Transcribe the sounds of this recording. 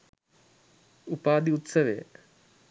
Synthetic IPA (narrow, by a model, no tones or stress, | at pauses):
upaːd̪iut̪səʋejə